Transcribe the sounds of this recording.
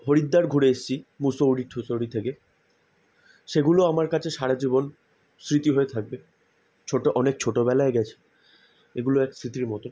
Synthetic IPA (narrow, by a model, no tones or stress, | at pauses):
ɦoɾid̪ːaɾɡʱuɾeeʃt͡ɕʰimusoɽiʈʰosoɽit̪ʰeke | ʃeɡuloamaɾkat͡ɕʰeʃaɾad͡ʑibon | sɾit̪iɦoet̪ʰak̚be | t͡ɕʰoʈoʔɔnek̚t͡ɕʰoʈobɛlaeɡɛt͡ɕʰe̥ | eɡuloɛksɾit̪iɾmɔt̪o